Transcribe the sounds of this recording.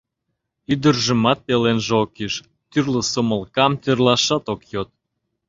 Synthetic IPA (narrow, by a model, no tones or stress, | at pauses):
yd̪ə̆rʒə̆mɑt̪̚pelenʒeokeʃ | t̪yrlə̆soməlkɑmt̪ørlɑʃɑt̪okjot̪̚